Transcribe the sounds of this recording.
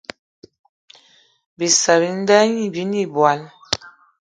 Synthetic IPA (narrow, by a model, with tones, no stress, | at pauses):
bi˨sa˨bi˨˦n̩˦da˦ɲi˦˨bi˦ni˦bwa˨˦n